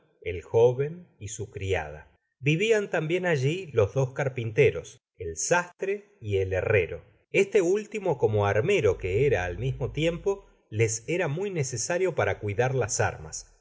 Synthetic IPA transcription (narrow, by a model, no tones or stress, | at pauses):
elxoβenisukɾia̰ð̞a̰ | biβiant̪ambje̞naʒilo̞zðo̞skaɾpint̪e̞ɾo̞s | elsast̪ɾe | ielere̞̰ɾo̞̰ | est̪eult̪imo̞ko̞mo̞aɾme̞ɾo̞keeɾaːlmizmo̞t̪je̞mpo̞ | lese̞ɾamujnesesaɾjo̞paɾakwiðaɾlasa̰ɾma̰s